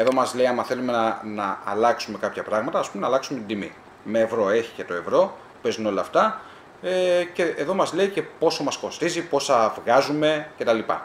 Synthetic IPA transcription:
e̞ðo̞mɐzle̞iɐmɐθe̞lume̞nɐnɐːlɐksume̞kɐpçɐpɾɐɣmɐt̪ɐːspumenɐːlɐksume̞t̪id̪imḭ | me̞ːvɾo̞e̞çi̥ce̞t̪o̞e̞vɾo̞ | pe̞zuno̞lɐːft̪ɐ | ece̞eðo̞mɐzle̞ice̞po̞so̞mɐsko̞st̪izipo̞sɐvɣɐzume̞ce̞t̪ɐlipɐ̰

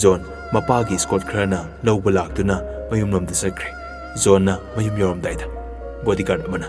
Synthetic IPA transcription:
zon | mɐpaɡiskot̚kʰɾɐnɐ | lɐwbɐlak̚dunɐmɐjumnomdɐsɐt̚kʰɾe̥ | zonːɐmɐjumjawɾɐmdajdɐ̥ | bodikadɐmɐnɐ

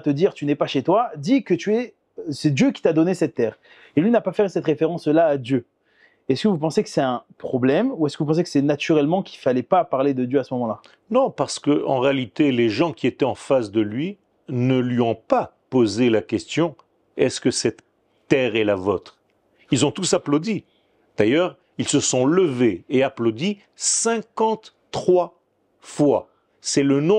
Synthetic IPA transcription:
t̪əd̪iʁt̪ynɛpaʃet̪wad̪ikət̪yɛ | sɛd̪jøkʲi̥t̪ad̪ɔnesɛt̪ːɛːʁ | elɥinapafɛʁsɛt̪ʁefeʁɑ̃slaːd̪jø | ɛskəvup̬ɑ̃sekə̥sɛt̪ɛ̃pχɔblɛmuɛskəvup̬ɑ̃s̬ekə̥sɛnat̪yʁɛlmɑ̃kʲilfalɛpapaʁled̪əd̪jøasəmɔmɑ̃la | nɔ̃paʁsə̥kəɑ̰̃ʁealit̪eleʒɑ̃kʲiet̪ɛɑ̃fasd̪əlɥi | nəlɥiɔ̃pa | pozelakʲɛst̪jɔ̃ | ɛskəsɛt̪ː | ɛʁɛlavot̪χ | ilzɔ̃t̪usaplod̪i | d̪̥ajœʁ | ilsəsɔ̃ləveeaplod̪i | sɛ̃kɑ̃t̪ː | χwa | fwa | sɛlənɔ̃

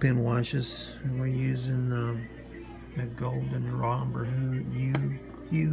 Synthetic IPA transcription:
pɪ̃nwɑʃɨz̥ | ɨnwɪɹjʉzɪ̃ŋʌ | ðɨɡoʊlˠdɨ̃nɹɑ̃mbə˞ɦʉjʉ | jɨ

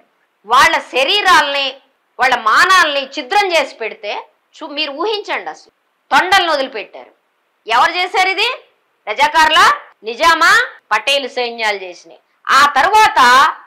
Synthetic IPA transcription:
ʋaːɭːɐʃɐɾiːɾaːlɐni | ʋaːɭːɐmaːnaːlɐnit͡ʃid̪ɾɐmt͡ʃe̞ːsi̥peɽit̪e̞ː | t͡ʃumiːɾuuːɦiɲt͡ʃɐɳɖɐsɐ | t̪ɔɳɖɐlɐnod̪ulupeʈːa̰ːɾu | ɛʋɐɾut͡ʃeːsaːɾid̪i | pɾɐd͡ʒaːkaːɾula | nid͡ʒaːmaːpɐʈːejlusɐjiɲjaːlt͡ʃe̞ːsind̪ḭ | aːt̪ɐɾuʋaːt̪ɐ

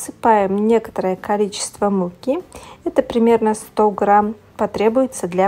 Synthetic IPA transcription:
sɨpajɪmnʲe̞kə̥t̪əɾəjəkɐlʲit͡ɕɪ̥st̪vəmukʲiɛt̪əpɾʲɪmʲe̞rnəst̪oɡɾam | pɐt̪ɾʲe̞bʊjɪt̪səd̪lʲa

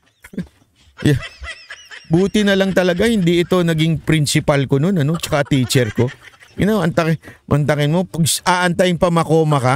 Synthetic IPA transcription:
ja | buːt̪ɪnɐlɐŋt̪ɐlɐɡahɪnd̪iʔɪt̪o̞nɐɡɪŋpɾɪnsɪpalko̞no̞nɐno̞t͡ʃɐ̥kat̪iːt͡ʃɛɾko̞ʔɪ̰nawɐnt̪ɐkmʔɐ̰nt̪ɐkɪnmo̞pɐɡsʔaːʔɐnt̪ajɪŋpɐmɐko̞ːmɐkɐ

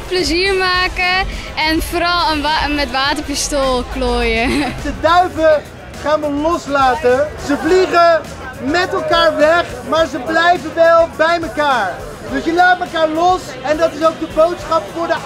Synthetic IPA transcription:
pləziːɹmaːkəɛnfoːɾɑlˠənmɛtʋaːtəɹpistoːlˠkloːjətədœɥvə | χaːnʋəlɔslaːtəzəvliχə | mɛtɛlˠkaːɹʋɛχ | maːɹzəblɛjvənʋɛlˠbɛjməkaːɹ | dɵsjəlaːtəməkaːɹlɔs | ɛndɑtɪsowk̚dəbowtsχɑpfʊːɹdə

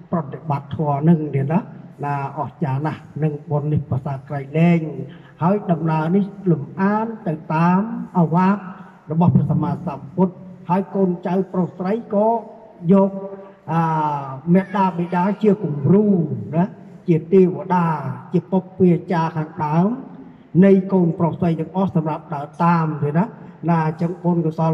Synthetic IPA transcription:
prɑt̪eɓat̪ʰːɔənɨŋniənanaːʔɑht͡ɕaːnahnɨŋɓoənːihpasaːkrəjlɛːŋ | haəjɗɑmnaənihlumʔaːnt̪ɨwt̪aːmʔaːʋaːk̚ | rɔɓɑhpʰsamaːsamput̪̚haəjkoːnt͡ɕawprohsrəjkɑː | jɔːk̚ | ʔəːmɛəʔ̚ɗaːɓeɗaːt͡ɕiəkumruːna | t͡ɕiət̪eːʋəɗaːt͡ɕiəpok̚piət͡ɕaːkʰaːŋɗaəm | nɨjkoːnprohsrəjtaŋʔɑhsɑmrap̚ɗaət̪aːmjənanaːt͡ɕɨŋkoːnkɨsɑ

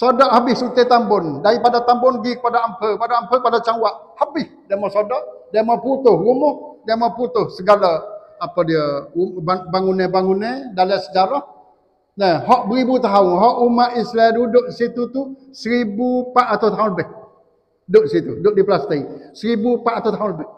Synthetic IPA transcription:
sodɔʔhabɪhsut̪et̪ambʊndaipadat̪ambʊnɡikə̥padaampəəpadaampəkpadat͡ʃawaʔhabɪhdamɔsodɔʔdamɔput̪ʊhrumʊhdamɔput̪ʊhsəɡalaapədiəubabaŋunɛbaŋunɛdalasəd͡ʒaɾɔh | naɦɔʔbəɾibut̪aɦʊnɦɔʔumaʔisladudʊʔisit̪ut̪usəɾibupaʔat̪at̪aɦʊnləbɪh | dʊʔdisit̪udʊʔdiplast̪aisəɾibupaʔat̪at̪aɦʊnləbɪh

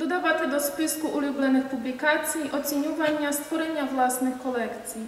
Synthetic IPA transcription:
d̪ɔd̪aʋat̪ɪd̪ɔspɪskuʔulʲublˠɛnɪxpublʲikat͡sʲijiʔɔt͡sʲinʲuʋanʲːɐst̪ʋɔɾenʲːɐʋlˠasnɪxkɔlˠɛkt͡sʲij

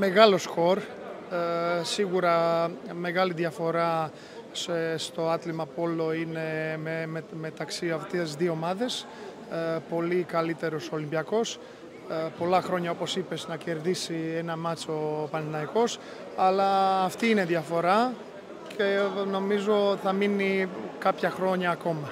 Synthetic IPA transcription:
me̞ɣɐlo̞sko̞ɾ | siɣuɾɐme̞ɣɐliðjɐfo̞ɾɐ | sst̪o̞ɐt̪limɐpo̞lo̞ine̞ | me̞t̪ɐksiɐft̪eszðioomɐðe̞s | po̞likɐlit̪e̞ɾo̞solimbiɐko̞s | po̞lɐxɾo̞ɲɐopo̞sipe̞znɐce̞ɾðisie̞nɐmɐt͡so̞pɐnɐnɐiko̞s | ɐlɐːft̪iineðjɐfo̞ɾɐ | ce̞no̞mizo̞θɐminikɐpçɐxɾo̞ɲɐːko̞mɐ

